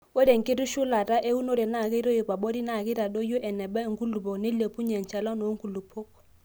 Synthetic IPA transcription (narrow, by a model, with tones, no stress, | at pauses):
e˦de˨ŋ̩˨kʼɪ˦ɾu˦ʃu˦la˨ta˦ʔe˦u˦no˦dɛ˨na˨kɛ˦ɾo˦i˨ba˨ɓo˦di˦na˨ki˦ɾa˨do˦jɔ˦ʔɛ˨nɛ˨bɛ˦ŋ̩˨ku˦lu˨pɔ˨ne˦le˨pʼu˦ɲɛ˨n̩˨t͡ʃʰɛ˨la˦no˨˦ŋ̩˦ku˨lu˨pʰɔ˦